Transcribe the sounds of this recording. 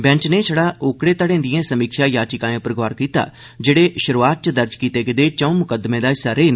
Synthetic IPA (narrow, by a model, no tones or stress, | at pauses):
bɛ̃ːt͡ʃneːsʰəɽaːʔoːkɽeːt̪əɽẽːd̪ɪjẽːsəmiːkʰʃaːjaːt͡ʃɪkaːẽːpəɾəɡʋaːɾkiːt̪a̰ː | d͡ʒeːɽeːʃʊɾuaːt̪̚t͡ʃəd̪əɾd͡ʒkiːt̪eːɡɪd̪eːt͡ʃəũmʊkəd̪mẽːd̪aːsəɾeːn